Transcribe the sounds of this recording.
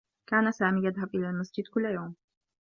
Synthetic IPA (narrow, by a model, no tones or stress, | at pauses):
kaːnasaːmiːjad̪ɦabʔɪlaːlmasd͡ʒɪd̪kʊlːjoːm